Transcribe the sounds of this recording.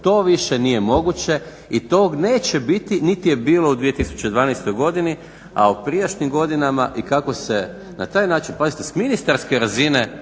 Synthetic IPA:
t̪o̞ːʋiʃe̞nije̞mo̞ɡut͡ɕe̞ | it̪oːɡne̞ːt͡ɕe̞bit̪init̪ije̞biːlˠo̞ud̪ʋijet̪isu̥t͡ɕed̪ʋaːnajst̪o̞jɡo̞d̪ini | a̰upɾijaʃnimɡo̞d̪inama̰ʔikako̞se̞ | nat̪aːjnaːt͡ʃinplazit̪esminist̪aɾske̞ɾazine̞

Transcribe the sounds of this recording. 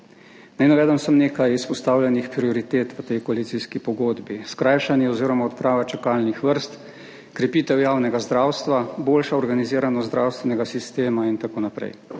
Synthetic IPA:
najnaʋɛːd̪əmsəmneːkajispɔst̪aːwlʲɛnixpɾiɔɾit̪eːt̪ʋət̪ɛjkɔalit̪siskipɔɡoːd̪biskɾaːjʃanjɛɔziːɾɔmaɔt̪pɾaːʋat͡ʃakalnixʋəɾst̪ | kɾɛpiːt̪ɛwjaːwnɛɡazd̪ɾaːwst̪ʋaboːlʃaɔɾɡaniziːɾanɔd̪ɾawst̪ʋɛnɛɡasist̪eːmaint̪akoːnapɾɛ̰j

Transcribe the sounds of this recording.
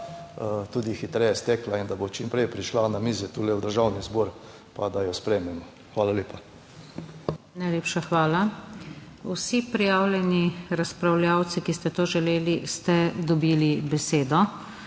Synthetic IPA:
t̪uːd̪ixit̪ɾɛjɛst̪ɛklaind̪abot͡ʃimpɾɛjpɾiʃlanamiːzɛt̪ulɛwd̪əɾʒawnizbɔɾ | pad̪ajɔspɾɛmɛmɔ | xʋaːlalʲeːpa | najleːpʃaxʋaːla | usipɾijaːwlʲjɛniɾaspɾawlʲjaːwt̪sikist̪ɛt̪oːʒɛleːlist̪ɛd̪ɔbiːlibɛseːd̪ɔ

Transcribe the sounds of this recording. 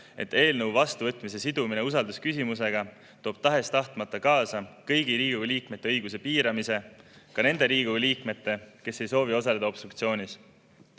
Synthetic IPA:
e̞̰t̪ːe̞ːlnɤwvɑst̪uvɤt̪ːˑmis̬e̞sid̪̥umineus̬ɑld̪uskysimus̬e̞ɡ̥ɑ | t̪o̞ːb̥̚t̪ɑɦe̞st̪ɑht̪mɑt̪ːˑɑkɑːsɑkɤjɡ̥iɾiːɡ̥uɡeliːkme̞t̪ːe̞ɤjɡ̥us̬e̞piːɾɑmise̞kɑne̞nd̪e̞ɾiːɡuɡliːkme̞t̪ːˑe̞ke̞sːe̞jso̞ːvio̞sɑle̞d̪ɑo̞b̥st̪rukt̪sio̞ːnʲis

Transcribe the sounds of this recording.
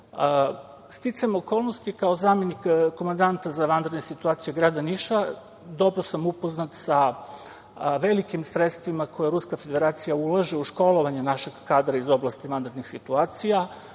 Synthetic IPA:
st̪it̪samo̞ko̞lˠnost̪ikaozaːmje̞nikkːo̞mand̪ant̪azaʋand̪ɾd̪nesit̪uaːt̪sijuɡɾaːd̪aniʃa | d̪o̞bɾosamupo̞znat̪sa | ʋe̞likimsɾet̪st̪ʋimakʰo̞jeɾuskafe̞d̪e̞ɾaːt̪sijaulaʒeuʃko̞lo̞ʋaɲenaʃe̞ɡkaːd̪ɾaizo̞blˠast̪iʋand̪ɾd̪nixsit̪uaːt̪sija

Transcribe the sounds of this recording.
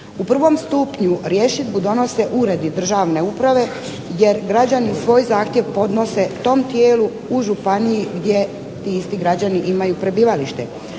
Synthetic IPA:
upr̩ʋo̞mst̪upɲuɾjeːʃid̪bud̪o̞no̞se̞ʔuɾe̞d̪id̪r̩ʒaːʋne̞upɾaʋe̞ | je̞ɾɡɾad͡ʑaniusʋo̞ːjzaːxt̪je̞ʋpo̞d̪no̞se̞t̪o̞ːmt̪je̞ːlu | uʒupanijiɡd̪ʲje̞ | t̪iːist̪iɡɾad͡ʑaniʔimajupɾe̞biːʋaliʃt̪e̞̰

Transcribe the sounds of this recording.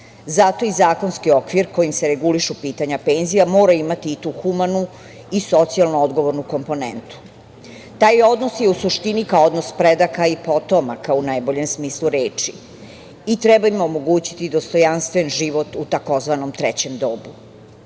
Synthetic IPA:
zat̪o̞izaːko̞nskio̞kʋiɾko̞jimseɾeɡuliʃupiːt̪aɲape̞ːnzijamo̞ːɾaimat̪iːt̪uxumanu | iso̞t̪sialˠnuo̞d̪ɡo̞ʋo̞ɾnuko̞mpo̞nḛnt̪u̥ | t̪aːjo̞d̪no̞sje̞usuʃt̪inikaood̪no̞spɾed̪akaipo̞t̪omakaunajbo̞ʎe̞msmiːslˠuɾe̞ːt͡ʃi | it̪ɾebaimo̞mo̞ɡuːt͡ɕi̥t̪id̪o̞st̪o̞janst̪ʋe̞nʒiʋo̞t̪ut̪ako̞zʋano̞mt̪ɾɛt͡ɕe̞md̪o̞ːbu

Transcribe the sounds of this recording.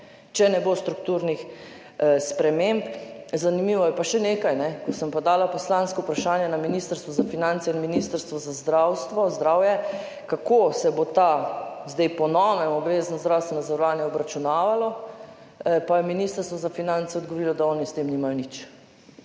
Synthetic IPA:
t͡ʃɛnɛbost̪ɾukt̪uːɾnix | spɾɛmempzanimiːʋɔjɛpaʃɛneːkajnɛkɔsəmpɔd̪aːlapɔslanskɔupɾaʃaːnjɛnaminist̪əɾst̪ʋɔzafinansɛinminist̪əɾst̪ʋɔzazd̪ɾawst̪ʋɔzd̪ɾaːwjɛ | kakosɛbot̪azd̪ɛjpɔnɔːʋɛmɔbʋeːznɔzd̪ɾawst̪ʋɛnɔzəɾɔʋaːnjɛɔbɾat͡ʃunaːʋalɔ | pajɛminist̪əɾst̪ʋɔzafinant̪sɛɔd̪ɡɔʋoɾilɔd̪aɔːnist̪eːmnimajɔnit͡ʃ

